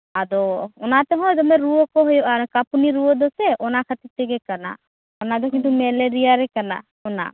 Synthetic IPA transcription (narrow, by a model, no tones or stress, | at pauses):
ad̪ɔɔnat̪ɛɦɔ̃jd̪ɔmɛɾuɔkɔɦɔjɔaɾɔkapuniɾuɔd̪ɔsɛʔɔnakʰat̪it̪ɛɡɛkana̰ | ɔnad̪ɔkint̪̬umɛleɾijaɾɛkana̰ | ɔna̰